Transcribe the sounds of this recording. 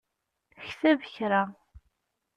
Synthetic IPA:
çθævəçɾa

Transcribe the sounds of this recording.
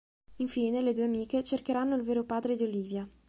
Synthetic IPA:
iɱfiːneled̪uːeamiːket͡ʃerkeɾanːoilveːɾopaːd̪ɾed̪ioliːvja

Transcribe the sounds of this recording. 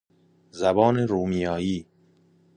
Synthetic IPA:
zæbɒːneɾuːmijɒːjiː

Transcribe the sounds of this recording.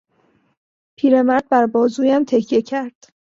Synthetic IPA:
pʰiːɾe̞mæɾd̪̚bæɾbɒːzuːjæmt̪ʰe̞kʰje̞cʰæɾd̪̥

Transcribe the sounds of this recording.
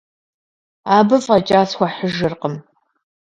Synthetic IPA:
aːbɨfʼɐt͡ʃʼaːsxʷɐħəʒɨrqəm

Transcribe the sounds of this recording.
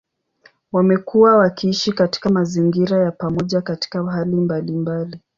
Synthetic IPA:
wamɛkuwawakiiʃikati̥kamaziŋɡiɾajapamɔʄakati̥kaɦalimbalimbali

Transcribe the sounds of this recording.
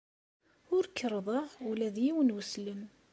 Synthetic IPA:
ʊɾkːəɾˤðˤəʁʊlæðjiwənwəsləm

